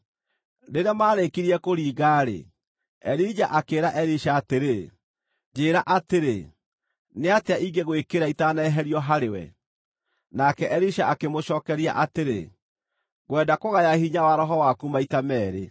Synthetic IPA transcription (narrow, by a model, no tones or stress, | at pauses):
neɾamaːɾekiɾiɛkoɾiːɣaːɾḛ | ɛɾid͡ʑaʔakeːɾaʔɛɾiʃaːteɾe | d͡ʑeːɾaʔateɾe | neateaʔiɡeɣwekeɾaitanɛɦɛɾiɔɦaɾewɛ̰ | nakɛʔɛɾiʃaʔakemoɕɔːkɛɾia̰ʔateɾḛ | ɣwɛːdakoɣajahiɲawaɾɔɦɔwakumaitamɛːɾe